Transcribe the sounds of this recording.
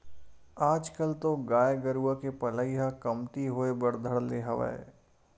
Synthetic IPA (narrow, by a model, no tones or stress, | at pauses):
aːd͡ʒkəlt̪oɡaːjɡəɾuakepɐləiɦakɐmt̪iɦoebɐɽd̪ʱəɽleɦɐʋa̰ḛː